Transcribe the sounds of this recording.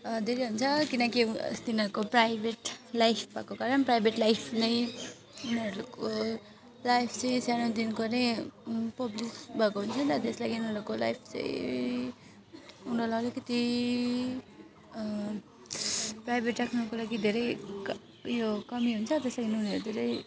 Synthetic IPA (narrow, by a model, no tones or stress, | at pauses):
d̪ʱeɾeɦunt͡sʰʌkinʌkist̪inʌɾukoprajbʱeʈlajpʰbʱʌ̰kokaɾʌnprajbʱeʈlajpʰnʌj | uneɾuko | lajpʰt͡sʌ̃j̃sanõd̪inkonʌjpʌblisbʱʌkoɦunt͡sʰʌnt̪ʌt̪eslaɡiunʌɾukola̰jpʰt͡sʌ̰j̃ | unʌɾlalekʌt̪i | prajbʱeʈːakʰnʌkolaɡid̪ʱeɾʌj | jokʌmiɦunt͡sʰʌt̪eslaɡiniuneɾud̪ʱeɾʌj